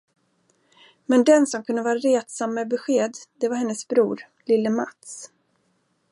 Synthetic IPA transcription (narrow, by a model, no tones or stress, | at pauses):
mɛnd̪ɛnsɔmkʰɵnd̪əvɑːɾaɾeːt̪samːɛbɛɧeːd̪d̪ɛvaɾhɛnːəsbɾuːɾ | lɪlːəma̰t̪s